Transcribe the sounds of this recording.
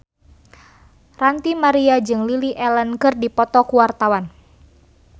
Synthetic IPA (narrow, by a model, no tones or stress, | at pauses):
rant̪imaɾiad͡ʒɨŋliliʔɛlənkɨrdipɔt̪ɔkuwart̪awan